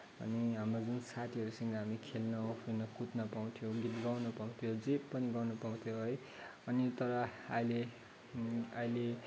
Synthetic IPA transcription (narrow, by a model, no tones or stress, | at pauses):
ʌ̰niɦamrod͡zunsat̪ʰiɦʌɾusʌŋɡʌɦamikʰelnʌpʰirnʌkut̪nʌpaw̃t̪ʰjoɡit̪ɡʌwnʌpaw̃t̪ʰijod͡zepːʌniɡʌwnʌpaw̃t̪ʰjoɦʌj | ʌnit̪ʌɾʌʌjle | ʌjle